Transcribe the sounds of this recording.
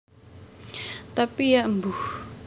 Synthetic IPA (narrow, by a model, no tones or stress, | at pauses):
t̪apijambu